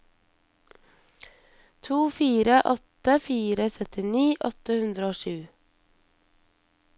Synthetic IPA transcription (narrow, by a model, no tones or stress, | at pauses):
t̪ʰuːfiːɾəʔɔt̪əfiːɾəsœt̪ɪniːʔɔt̪əhʉnd̪ɾəoːʃʉː